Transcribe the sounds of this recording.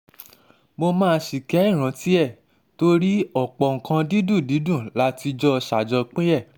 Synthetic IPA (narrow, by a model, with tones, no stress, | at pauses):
mo˧mãː˦˧ʃi˨kɛ˨˦i˦˨ɾ̃ã˨˦ti˦ɛ˦˨ | to˦ɾi˦ɔ˦˨k͡pɔ˨ŋ̩˨kã˧di˦dũ˦˨di˨˦dũ˦˨la˨˦ti˧d͡ʒɔ˦˧ʃa˨d͡ʒɔ˧k͡pẽ˦ɛ˦˨